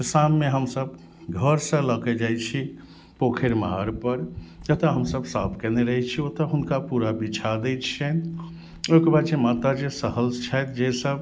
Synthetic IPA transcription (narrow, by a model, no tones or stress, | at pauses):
t̪samːeɦəmsəb | ɡʱəɾsə̃ləkɛd͡ʒajt͡ʃʰi | pokʰeɾmaɦaɾpəɾd͡ʒət̪əɦəmsəbsa̰bʰkeneɾəɦɛt͡ʃʰiot̪əɦunkapuɾabit͡ʃʰad̪ɛjt͡ʃʰɛn | okbat͡ʃemat̪ad͡ʒesəɦəlst͡ʃʰajt̪d͡ʒesəb